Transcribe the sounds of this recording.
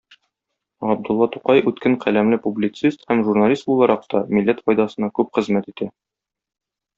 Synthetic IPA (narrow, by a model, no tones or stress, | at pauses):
ɑb̚d̪ŭlˠːɑt̪uqɑjʉt̪kɘɴqʰælæmlɘpublʲit̪sist̪hæmʒurnalʲist̪̚bulˠɑɾɑq̚t̪ɒmilːæt̪fɒjd̪ɑsɤ̆nɑkʉpχɘ̆zmæt̪it̪æ